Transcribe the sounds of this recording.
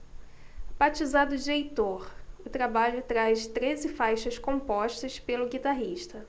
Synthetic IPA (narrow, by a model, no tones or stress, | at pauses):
pat͡ʃizad̪ʊd͡ʒiejt̪oɾʊt̪ɾabaʎʊt̪ɾast̪ɾezɪfajʃɐskõpɔʃt̪ɐspelʊɡit̪aɦiʃt̪ɐ